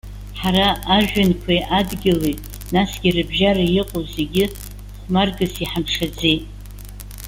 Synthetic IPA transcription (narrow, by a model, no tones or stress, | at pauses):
ħaɾaːʒᶣankʷʰajʔadɡʲɪlejtʼ | nasɡ̥ʲirɨbʒarajɪqʼozeɡʲɪ | χʷmarɡɨsiħamʂad͡zejtʼ